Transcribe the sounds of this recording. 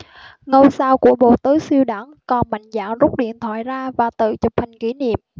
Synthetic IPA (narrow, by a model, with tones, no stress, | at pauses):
ŋə˧wsaː˧wku˧˩əɓo̰˧˨t̪ɨ˨˦si˧əwɗa˧˩ŋkɔ˨˩nma̰˧˨jŋ̟za̰ː˧˨ŋzʊ˦˥k͡p̚ɗḭ˧˨ənt̪ʰwa̰ː˧˨jzaː˧vaː˨˩t̪ɨ̰˧˨t͡ɕɨ˨˩k͡p̚ha˨˩jŋ̟ki˧˦nḭ˧˨əm